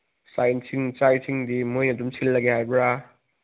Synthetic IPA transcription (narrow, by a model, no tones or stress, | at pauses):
sajnsʰiŋt͡ʃajsʰiŋdimojɐdumsʰilːɐɡehajbɾa